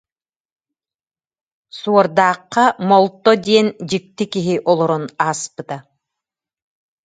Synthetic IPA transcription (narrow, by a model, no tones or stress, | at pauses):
suɔɾd̪aːqːɑmɔlˠt̪ːɔd̪iɛnd͡ʑik̚t̪ikiɦiʔɔlˠɔɾunaːspɯt̪a